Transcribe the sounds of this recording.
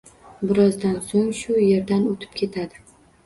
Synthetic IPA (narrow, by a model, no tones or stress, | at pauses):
bɪɾɒzd̪ansoŋʃʊje̞ɾd̪anot̪ʰɪ̥p̚kʲʰe̞t̪ʰad̪ɪ